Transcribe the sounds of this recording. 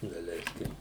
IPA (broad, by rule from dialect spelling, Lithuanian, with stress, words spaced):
dɐˈlʲɛɪsʲkʲɪm